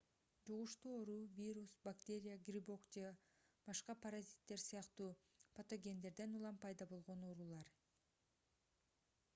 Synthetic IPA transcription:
d͡ʒuʁuʃt̪uo̞ɾuvʲiɾusbakt̪ʲe̞ɾʲijaɡrʲibo̞kd͡ʒe | b̥ɑʃqɑpʰɐɾazʲit̪ːe̞ɾsijɑqt̪uː | prot̪o̞ɡʲe̞nd̪e̞ɾd̪e̞nulˠɑmpʰɑjd̪ɑbo̞lˠʁo̞noɾulˠɑɾ

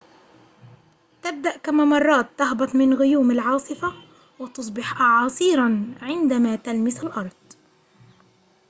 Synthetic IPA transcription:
t̪ɪb̚d̪aʔkamamɑrˤːɑːt̪ːahbɑt̪ˤmɪnɣʊjuːmɪlʕɑːsˤɨfa | wɪt̪ʊs̬ˤbɪħʔɑʕɑːsˤiːɾˤɑnʕɪnd̪amat̪almɪsalʔɑɾˤd̪̥̚ˤ

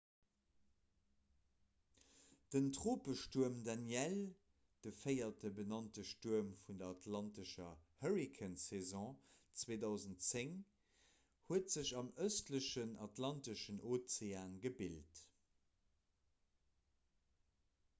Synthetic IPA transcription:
d̥əntʀoːpəʃtuəmdanjɛl | d̥əfəɪɐtəbənɑntəʃtuɐmfundɐɑtʰlɑntəʃɐhəʁikʰənsezɔ̃ːt͡sweːdɑʊzəntt͡seŋ | huətz̥əɕɑməstləʃənɑtlɑntəʃənʔoːt͡seaːnɡəbilt

